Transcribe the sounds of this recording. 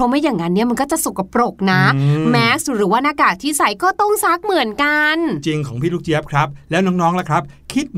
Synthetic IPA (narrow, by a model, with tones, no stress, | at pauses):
ɔ˦˧˥ma˥˩jaː˨˩ŋːa˦˥nːi˥˩ma˧nkɔː˥˩t͡ɕa˨˩su˨˩kːa˨˩pɾo˨˩k̚na˦˥mɛː˦˥ksɾɯː˩˦waː˧˩naː˧˩kaː˨˩t̚t̪ʰiː˥˩sa˩˦jkɔː˥˩t̪ɔ˥˩ŋsa˦˥k̚mɯ˨˩˦ənka˧nt͡ɕi˧ŋkʰɔː˩˦ŋpʰiː˥˩ɾuː˦˥k̚t͡ɕi˦əp̚kʰɾa˦˥p̚lɛː˦˥wnɔː˦˥ŋnɔː˦˥ŋla˦˥˩kʰɾa˦˥p̚kʰi˦˥t̪̚